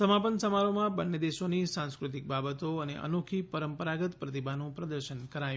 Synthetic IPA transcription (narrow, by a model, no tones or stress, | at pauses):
səmapənsəmaɾomãbənːjəd̪eʃonisãnskɾut̪ik̚babət̪oənḛʔə̰nokʰipəɾəmpəɾaɡət̪pɾət̪ibanũpɾəd̪əɾʃənkəɾaj̃